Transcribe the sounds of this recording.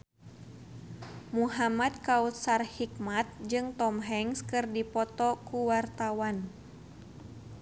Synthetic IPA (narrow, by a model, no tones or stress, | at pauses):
muɦamad̪̚kaut̪sarhikmat̪̚d͡ʒɨŋt̪ɔmɦɛŋskɨrdipɔt̪ɔkuwart̪awan